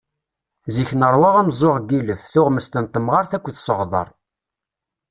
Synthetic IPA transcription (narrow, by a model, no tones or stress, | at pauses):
ziçnəɾˤwaʁæmzˤoʁɡiləfθʊʁməst̪ənt̪əmʁɑɾθækʷːθsəʁðˤə̰ɾˤ